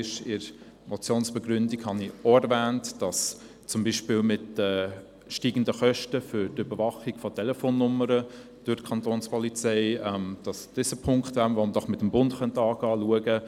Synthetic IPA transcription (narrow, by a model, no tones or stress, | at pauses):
ɪʃɪɾ | mɔt͡sjoːnsb̥ɛɡɾʏndikhɑniɔɛɾvæːntd̥ɑs | t͡sʊmbiːʃpɪːlmɪtdə | ʃtiːɡ̥ən̩dəχœʃtəfʏɾdʏbəɾvɑχiɡ̥fɔtʰɛlɛfoːnːʊməɾə | d̥ʊkʰɑntoːnspɔlit͡sɛɪɛmd̥ɑsd̥ɪsəpʰʊŋkχtʋænʋɔməd̥ɔχmɪtəmbʊndχœntɑːɡɑːluəɡə